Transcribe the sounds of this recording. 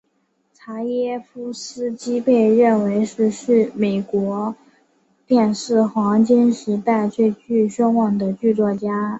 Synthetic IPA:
t͡sʰa˧˥jɛ˥fu˥sɹ̩˥t͡ɕi˥pe˥˧ɪɻə˥˩nwe˧˥ɪʂɻ̩˥˧ʂɻ̩˥˩me˨˩ɪkwɔ˧˥ | t̪jɛ˥˧nʂɻ̩˥˩xwɑ˧˥ŋt͡ɕɛ˥nʂɻ̩˧˥t̪a˥˧ɪt͡ɕʰwe˥˧ɪt͡ɕy˥˩ɕo˥ŋwɑ˨˩ŋd̪ə˦t͡ɕy˥˧t͡swɔ˥˩t͡ɕja˥

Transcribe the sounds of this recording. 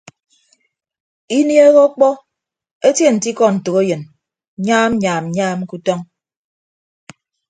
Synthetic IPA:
i˦nje˦ɣɔ˦k͡pɔ˦ | e˦tje˦˨n̩˨ti˦kɔ˦n̩˨tɨ˨ɣe˦jɨ˨n | ɲaː˦m˦ɲaː˨m̩˨˦ɲaː˦m˦ku˦tɔ˦ŋ

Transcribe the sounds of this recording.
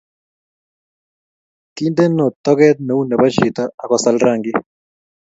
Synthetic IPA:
ki˦nd̪e˦nɔ˨t̪ɔ˦kɛ˦t̪̚no˨u˦nɛ˨ba˦ʃi˨t̪a˦a˨ka˨sa˦lɾa˦˨ŋɡɪ˦

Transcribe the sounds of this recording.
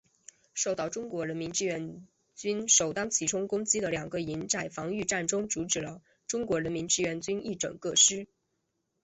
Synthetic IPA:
ʂo˥˧ʊt̪ɑ˥˩ʊʈ͡ʂʊ˥ŋkwɔ˧˥ɻə˧˥nmi˧˥nʈ͡ʂɻ̩˥ɥɛ˧˥n | t͡ɕy˥nʂo˨˩ʊt̪ɑ˥ŋt͡ɕʰi˨˩ʈ͡ʂʰʊ˥ŋkʊ˥ŋt͡ɕi˥d̪ə˨ljɑ˨˩ŋɡə˦i˧˥nʈ͡ʂa˥˩ɪfɑ˧˥ŋy˥˧ʈ͡ʂa˥˩nʈ͡ʂʊ˥ŋt͡su˧˥ʈ͡ʂɻ̩˨˩lə˦ | ʈ͡ʂʊ˥ŋkwɔ˧˥ɻə˧˥nmi˧˥nʈ͡ʂɻ̩˥ɥɛ˧˥nt͡ɕy˥ni˥˩ʈ͡ʂɤ̰˨˩ŋkɤ˥˩ʂɻ̩˥

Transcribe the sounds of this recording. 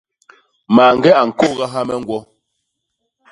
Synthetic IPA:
maː˨ŋ̩˦ɡɛ˦a˨ŋ̩˨ko˦˨ɣa˦ɦa˦mɛ˦ŋ˦ɡwɔ˦

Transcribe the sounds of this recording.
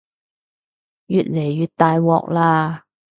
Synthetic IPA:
jyː˨˩t̚le˨˩jːyː˨˩t̚t̪aː˨jwɔː˨k̚laː˧

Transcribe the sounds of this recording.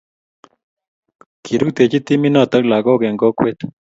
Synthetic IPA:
kʰi˨ɾu˦k̚t̪e˨t͡ʃi˦t̪i˦mi˦nɔ˨t̪ə˦k̚la˨ɡɔ˦kɛ˨ŋɡɔ˦kwe˦t̪

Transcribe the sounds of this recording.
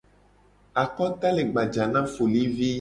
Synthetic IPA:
a˨kɔ˦t̪a˦le˨ɡ͡ba˨d͡ʒa˨nã˦fo˨li˦vi˦

